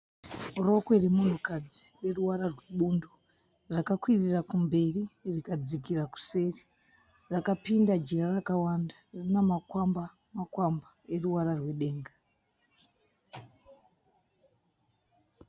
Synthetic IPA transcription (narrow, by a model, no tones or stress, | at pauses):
ro̞kweremun̤ukad͡zire̞ruwaɾarwe̞ɓundo | rakakwirirakumbe̞ririkad͡zikiraku̥se̞ri̥ | rakapindad͡ʒirarakawandarinamakwamba | makwambae̞ruwaɾarwe̞ɗe̞ːŋɡa